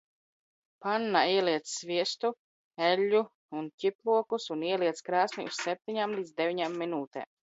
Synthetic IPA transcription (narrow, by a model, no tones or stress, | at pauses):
panːaiɛliɛt̪ssviɛst̪u | eʎʲːu | uncʲiplˠuɔkusuniɛliɛt̪skɾaːsmḭʔṵssɛp̚t̪ʲiɲamlˠiːd̪zd̪evʲiɲamːinuːt̪ɛ̰ːm